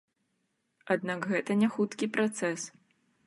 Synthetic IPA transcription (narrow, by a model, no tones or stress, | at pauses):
ad̪nakɣɛt̪ɐnʲaxut̪kʲipɾat̪sɛs